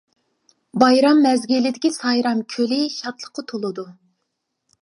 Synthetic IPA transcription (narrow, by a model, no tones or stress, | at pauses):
bɑjɾɑmːɛzɡʲilɪd̪ɪkʲisɑjɾɑmkʲʰølɪʃɑt̪lˠə̥qːɑt̪ʰolˠɨd̪u